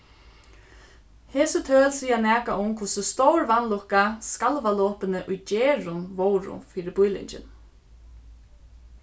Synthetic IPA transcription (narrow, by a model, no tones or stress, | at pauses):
heːsɪt̪ʰøːlsiːanæːkaʔʊmkʰvʊsɪst̪owɹʋanlʊhkaskalʋalɔːpɪnəʔʊjd͡ʒɛːɾʊnʋowɾʊ̰fiːɾɪbʊjlɪ̰ɲt͡ʃɪ̰n